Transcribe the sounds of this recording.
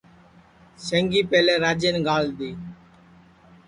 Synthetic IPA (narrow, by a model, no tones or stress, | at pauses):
səŋɡiːpeːleːɾaːd͡ʒeːnɡaːld̪iː